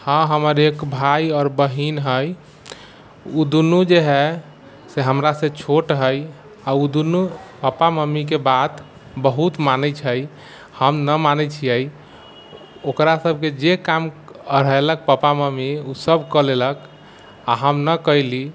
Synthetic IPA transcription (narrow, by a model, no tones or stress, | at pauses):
hə̃ɦəməɾekbʱajɔɾbəɦinɦəj | ud̪unud͡ʒeɦɛ | seɦəmɾasẽt͡ʃʰoʈɦəj | aud̪unupəpaməmːik̬ebat̪ | bəɦut̪manɛt͡ʃʰəj | həmnəmanɛt͡ʃʰijəj | okɾasəbʱked͡ʒekamɾəɦelək̚pəpaməmiusəbkəlelək | aɦəmnəkəili